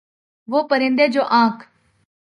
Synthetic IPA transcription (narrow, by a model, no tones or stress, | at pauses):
ʋoːpəɾɪ̃nd̪eːd͡ʒoːʔãːkʰ